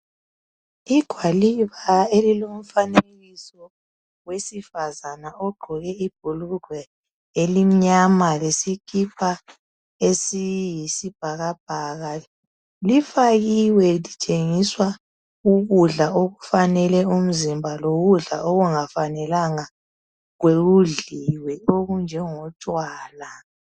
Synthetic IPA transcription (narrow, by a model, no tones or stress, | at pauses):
iɡ̥ʱwaliβaelilom̩fanelɣisɔ | wesifazanaɔɡ͡ǃʱɔɣɛib̥ʱuluɡ̥ʱwɛ | elim̩ɲamalesikʰipʰa | esijisib̥ʱaɣab̥̚ʱaɣa | lifaɣiwɛlitʰʼeŋiswa | uɣuɮaoɣufanɛlɛum̩zimbʱaloɣuɮa̰ʔoɣuŋafanɛlaŋa | ɣweɣuɮiwɛoɣund͡ʒʱɛŋɔtʼwaːla